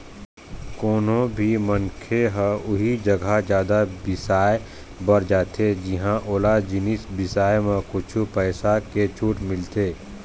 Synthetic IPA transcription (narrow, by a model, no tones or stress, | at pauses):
koːnõbʱimɐ̃nkʰeɦə̃ʊɦid͡ʒɐɡʱad͡ʒjaːd̪abɪsaːe | bɐɾd͡ʒaːt̪ed͡ʒɪɦãʔoːlad͡ʒɪnisbɪsaːjmãkʊt͡ʃʰupɛːsaket͡ʃʰuːʈmɪlt̪eː